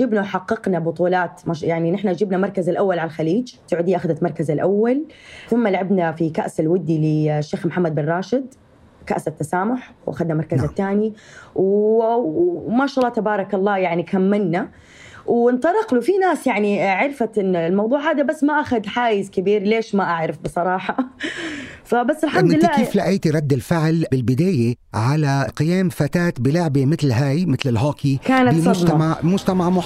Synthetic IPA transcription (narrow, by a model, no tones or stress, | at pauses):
d͡ʒɪbnawħɑqːɑqnabʊt̪ˤuːlaːt̪maʃjaʕninɪħnad͡ʒɪbnamɑɾˤkazalʔawːalʕalalxaliːd͡ʒsaʕuːd̪ɪjːaʔaxad̪at̪mɑɾˤkazɪlʔawːalθʊmːalʕabnafikaʔsalwɪd̪ːilɪʃːeːxmħamːad̪̚bɪnrˤɑːʃɪd̪ | kaʔsat̪ːasaːmʊħwʔa̰xad̪namɑɾˤkazat̪ːaːniw | maːʃɑʔɑlˤːɑːt̪abɑːɾˤɑkɑlˤːɑːjaʕnikʰamːɪnːa | wɪnt̪ˤɑɾˤɑqlufinaːsjaʕniʕɪɾfaɪnlmɑwd̪ˤuːʕhaːd̪abasːmaʔaxad̪ħaːjɪzkɪbiːɾleːʃmaʔaʕɾɪfbɨsˤɑɾˤɑːħɑ | fabasːɪlħamdnːakeːflaʔiːt̪iɾˤɑd̪ːɪlfɪʕlbɪlbɪd̪aːjeʕalaqɪjaːmfat̪aːt̪bɪlʊʕbemɪt̪lɦaːjmɪt̪lɪlɦaːkikaːnaɪmdmmaʕmʊd͡ʒt̪amaʕmʊħ